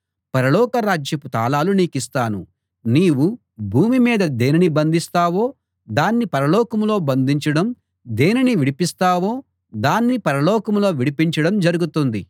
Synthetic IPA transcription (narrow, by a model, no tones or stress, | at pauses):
pɐɾɐlɔːkɐɾaːd͡ʒjɐput̪aːlaːluniːkist̪aːnu | niːwu | bʱuːmimiːd̪ɐd̪eːninibɐnd̪ʱist̪aːwo̞ː | d̪aːnːipɐɾɐlɔːkɐmlo̞ːbɐnd̪iɲt͡ʃɐɽɐm | d̪e̞ːniniʋiɽipist̪aːwo̞ː | d̪aːnːipɐɾɐlɔːkɐmlo̞ːʋiɽipiɲt͡ʃɐɽɐmd͡ʒɐɾuɡut̪und̪i